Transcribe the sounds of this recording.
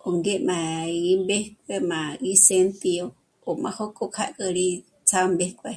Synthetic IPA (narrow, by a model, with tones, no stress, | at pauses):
o˨ŋɡe˦mã˨imbe˦hk̚ʷemã˨isent̪io˧ | omã˧ho˦ko˧kʰa̰ʔkʼə˧ɾi˦ | t͡sʰa˧mbehkʷwe˧